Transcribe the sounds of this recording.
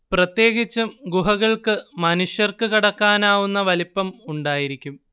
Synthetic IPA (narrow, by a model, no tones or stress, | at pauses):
prɐt̪je̞ːɡit͡ɕːɨɡuɦɐɣɐɭkɨmɐnuʂjɐrkɨkiɽɐkːaːnaːʋunːɐʋɐlipːɐmuɳɖaːjiɾikʲːum